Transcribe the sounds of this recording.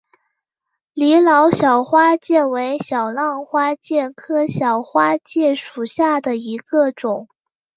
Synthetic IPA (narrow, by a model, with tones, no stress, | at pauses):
li˧˥lɑ˧˥ʊɕjɑ˨˩ʊxwa˥t͡ɕjɛ˥˩we˧˥ɪɕjɑ˨˩ʊlɑ˥˩ŋxwa˥t͡ɕjɛ˥˩kʰɤ˥ɕjɑ˨˩ʊxwa˥t͡ɕjɛ˥˩ʂu˨˩ɕja˥˩d̪ə˩i˧˥ɡə˧ʈ͡ʂʊ˨˩˦ŋ